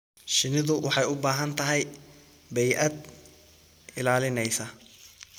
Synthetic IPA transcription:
ʃɪnɪðʊwʔɑħɑjʊbaːɦɐnt̪ʰɐɦɛj | bɛjʔɐd̪ | ɪlaːlɪnɛjsɐ

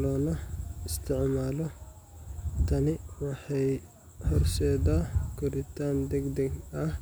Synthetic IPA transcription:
lɔːnɐɪst̪ʰɪʕmaːlɔ | t̪ʰɐnɪwɑħɑj | hɔrsɛːðaːɡʰʊɾɪt̪ʰaːnd̪ɛɡd̪ɐɡɐh

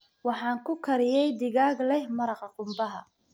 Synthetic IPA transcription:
wɑħɑːŋkʰʊkʰɐɾɪjɛjd̪ɪɣaːɡlɛhmɐɾɑqɑqʊmbɐɦɐ

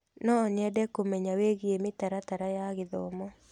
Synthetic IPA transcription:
nɔːɲɛdɛkomɛɲaweɣiemɪtaɾataɾajaɣɪðɔ̰mɔ

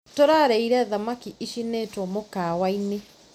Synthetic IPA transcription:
toɾaɾɛiɾaðamakiʔiʃinetwɔmokawaine

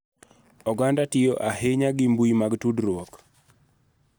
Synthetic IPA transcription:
ɔɡandatɪjɔʔaheɲaɡɪmbujimaɡtudɾwɔk

